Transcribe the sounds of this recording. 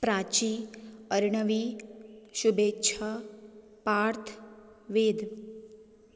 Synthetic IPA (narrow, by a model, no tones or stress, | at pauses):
pɾaːt͡ʃiəɾɳəʋi | ʃubeːtːt͡ʃʰɐ | paːɾt̪ʰ | ʋeːd̪